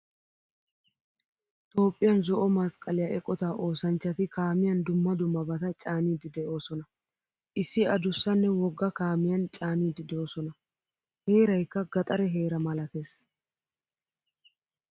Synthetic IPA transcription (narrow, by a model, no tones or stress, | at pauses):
ɪt̪o̞ːpʼːɪjɐnzɔʔɔmɐskʼɐlɪjɐʔɛkʼɔt̪aːʔo̞ːsɐnt͡ʃːɐt̪ɪkaːmɪjɐnd̪ʊmːɐd̪ʊmːɐbɐt̪ɐt͡ʃʼaːniːd̪ːɪd̪ɛʔo̞ːsɔnɐ | ʔɪsːɪɐd̪ʊsːɐnːɛwɔɡːɐkaːmɪjɐnt͡ʃʼaːniːd̪ɪd̪o̞ːsɔnɐ | he̞ːɾɐjkːɐɡɐt̪ʼɐɾɛɦe̞ːɾɐmɐlɐt̪e̞ːs